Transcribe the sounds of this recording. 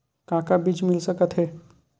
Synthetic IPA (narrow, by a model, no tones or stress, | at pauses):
kãːkabiːt͡ʃmɪlsəkət̪ɦɛː